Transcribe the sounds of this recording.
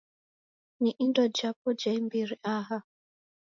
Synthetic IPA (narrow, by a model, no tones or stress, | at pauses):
niʔindɔd͡ʒap̚ɔd͡ʒaimbiɾiʔaɦa